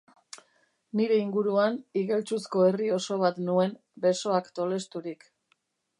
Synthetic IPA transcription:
niɾe̞iŋɡuɾuaniɣe̞lt͡susko̞e̞rio̞so̞β̞at̪nue̞m | be̞so̞akt̪o̞le̞st̪uɾik

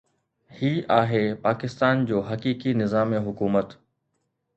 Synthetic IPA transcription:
hiːʔaːɦeːpaːkɪst̪aːnd͡ʑoːɦɐkiːkinɪzaːmẽɦʊkuːmət̪

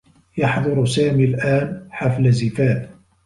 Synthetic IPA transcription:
jɑħðˤʊɾsaːmiːlʔaːnħaflazɪfaːt̪

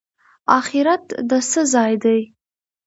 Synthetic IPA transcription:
aχiɾatʰdasɨzaːjdej

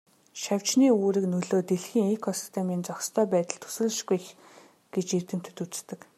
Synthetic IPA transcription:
ʃaw̥t͡ɕniːuːɾɘ̆knɵɮoːt̪eɮxiːŋekʰɔsi̥st̪ʰemiːnt͡sɔkst̪ʰœːpæːt̪ə̆ɮt̪ʰɵ̥sɘ̆ɮʃɡujx | ɡ̥et͡ɕert̪ɘ̆m̥t̪ʰɵt̪ut͡st̪ɘ̆k

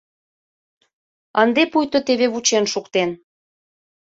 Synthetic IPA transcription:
ənd̪epujt̪ŏt̪eβeβut͡ɕenʃukt̪en

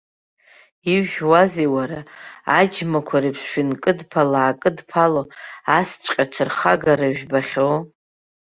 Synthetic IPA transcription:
iɥʒʲwaziwaɾaad͡ʒmakʷʰaɾipʰsʃɪnkʼɨdpʰalaːkʼɨdpʰaloast͡ʃʷʼqʲʼaʈ͡ʂʷʰɨrχaɡaɾaʒᶣbaχʲow

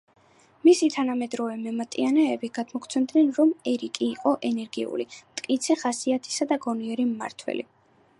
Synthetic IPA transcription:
misit̪ʰanamɛd̪ɾɔvɛmɛmat̪ʼianɛːbiɡ̥ad̪mɔkʰʼt̪sʰɛmd̪nɛnɾɔmɛɾikʼiːqʼɔʔɛnɛɾɡiṵlimt̪ʼkʼit̪sʰɛχasiat̪ʰi̥sad̪aɡɔniɛɾimːa̰ɾt̪ʰwɛ̰lḭ

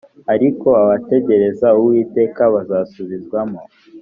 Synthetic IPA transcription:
aɾiko̞aβate̞ɟe̞ɾe̞zauwiːte̞ːkaβazaːsuβizɡwamo

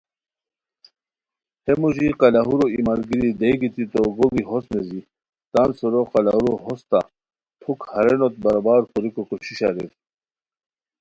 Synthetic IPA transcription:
hemuʑiqɑlaɦuɾoimaɾɡiɾid̪ejɡit̪ʰit̪oɡobiɦosnezi | t̪ansoɾoqɑlaɦuɾoɦost̪a̰ | t̪ʰukhɐɾenot̪̚bɐɾabaːɾkuɾikokoɕiɕa̰ɾḛt̪

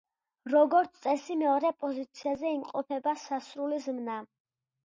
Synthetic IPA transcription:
ɾɔɡɔɾt̪sʰt̪ʼɛsimɛɔɾɛpʼɔzit̪sʰiazɛimqʼɔpʰɛbasasɾulizmna

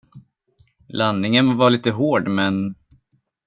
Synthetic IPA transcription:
lanːɪŋənvɑɭiːt̪əɦoːɖmɛn

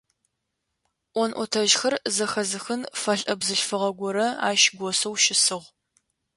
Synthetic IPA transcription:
ʔʷɔnʔʷɔtʰɐʒxɐrzɐxɐzɨxɨnfɐɬʼʔɐbzɨɬfɨʁɐɡʷɔɾɐa̰ːʃɡʷɔsɐwʃɪsɨʁʷ

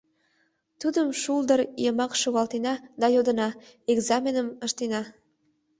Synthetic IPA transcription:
t̪ud̪əmʃuld̪əɾijəmɑkʃoɣɑlt̪enɑd̪ɑjod̪ənɑeɡzɑmʲenəməʃt̪enɑ

